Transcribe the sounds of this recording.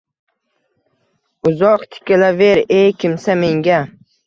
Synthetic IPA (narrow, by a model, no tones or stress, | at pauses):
ʊzɒqt̪ʰɪ̥kʲalaveɾejkʲʰɪmsame̞ŋɡʲa